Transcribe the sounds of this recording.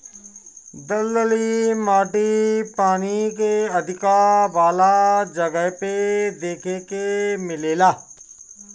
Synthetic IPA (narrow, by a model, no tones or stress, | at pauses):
d̪ɐlːəlimaːʈipaːnikeɐd̪ʱɪkaʋaːlad͡ʒɐɡəped̪eːkʰekemɪleːlaː